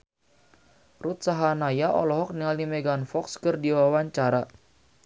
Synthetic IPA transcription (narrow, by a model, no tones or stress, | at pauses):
rut̪̚saɦanajaʔɔ̰lɔɦɔk̚niŋalnimɛɡanfɔkskɨrdiwawaɲt͡ʃaɾa